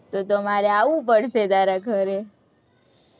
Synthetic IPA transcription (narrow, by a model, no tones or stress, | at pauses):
t̪ot̪omaɾeaʋũp̬əɽʃed̪aɾakʰəɾe